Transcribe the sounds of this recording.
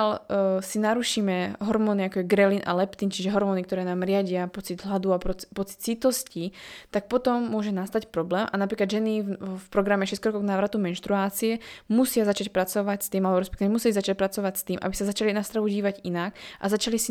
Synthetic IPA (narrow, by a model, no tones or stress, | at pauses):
alsinaɾuʃiːmɛɦɔɾmɔːniakɔjɛɡɾɛlinʔa̰lɛpt̪int͡ʃiʒɛɦɔɾmɔːnikt̪ɔɾɛːnaːmɾɪaɟɪapɔt͡sid̪ɦlad̪uapɔpɔt͡si̥t̪t͡sit̪ɔscit̪ak̚pɔt̪ɔmːʊɔʒɛnast̪acpɾɔblɛːmʔanapɾiːklad̪ʒɛnifpɾɔɡɾamɛʃɛskɾɔkɔɡnaːʋɾat̪umɛnʃt̪ɾuaːt͡siɛmusɪazat͡ʃacpɾat͡sɔʋacst̪iːmalɛbɔɾɛs̬pɛkt̪iʋɛmusilizat͡ʃac̚pɾat͡sɔʋacst̪iːmʔa̰bisazat͡ʃalinast̪ɾaʋuɟiːʋaɟinakʔa̰zat͡ʃalisi